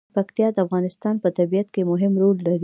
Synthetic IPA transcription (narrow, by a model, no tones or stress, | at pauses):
pakt̪jɑd̪əafɣɑnɪst̪ɑnpət̪abijat̪kemʊɦɪmɾolːaɾi